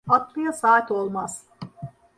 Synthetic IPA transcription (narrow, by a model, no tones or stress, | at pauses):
at̪lˠɯjasaːt̪ʲo̞lˠmaz̥